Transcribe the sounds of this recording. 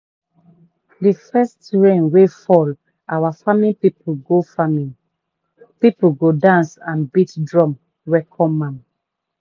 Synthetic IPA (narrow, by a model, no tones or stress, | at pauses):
difɛstɹẽnwefɔl | awafamĩnpipuɡofamĩn | pipuɡodãnsãnbitdɹɔ̃m | wɛkʰɔ̃mãm